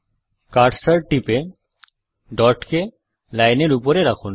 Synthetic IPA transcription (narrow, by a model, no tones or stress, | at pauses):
kaɾɖsaɾʈipe | ɖɔɾʈke | lajneɾupoɾeɾakʰun